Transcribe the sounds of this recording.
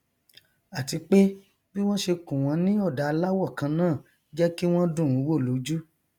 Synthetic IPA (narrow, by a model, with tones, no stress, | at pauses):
a˨ti˧k͡pe˦ | bi˦w̃ɔ̃˦ʃe˧kũ˨w̃ɔ̃˨˧nĩ˦ɔ˦˨da˨˧la˦wɔ˦˨kã˧nãː˦˨ | d͡ʒɛ˦ki˦w̃ɔ̃˦dũ˦˨ũ˨˦wo˦˨lo˨˦d͡ʒu˦